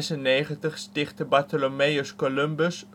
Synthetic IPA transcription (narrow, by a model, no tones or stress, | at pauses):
sənːeːχəntəχstɪχtəbatəlomejoskolømbəs